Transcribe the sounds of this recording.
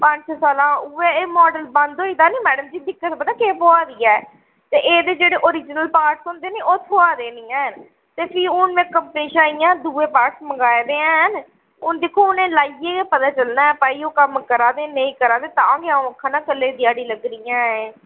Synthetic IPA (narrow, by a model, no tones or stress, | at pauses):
pəɲt͡ʃsaːlãːʊeːeːmɔːɖəlbə̃nd̪ɦoːiːt̪aːniːmɛːɖəmd͡ʒiːd̪ɪkːət̪bəd̪aːkeːpoːaːd̪iːɛː | t̪eːʔeːd̪eːd͡ʒeːɽeːʔoːɾiːd͡ʒnəlpaːɾʈsõːnd̪eːneːoːt̪ʰoaːd̪eːniːɛːn | t̪eːpʰɪːʊnʋẽːkəmpəniːʃaːijãːd̪uːeːpaːsməɡaːed̪eːɛ̃n | ʊnd̪ekʰːoːʊnẽːlaːieːepət̪aːt͡ʃəlnaːɛːpaːiːoːkəmkəɾaːd̪eːnəĩːkəɾaːd̪eːt̪ãɡɪãːõːkʰːãːnãːkəlːeːd̪ɪjaːɽiːləɡɾɪjãːeː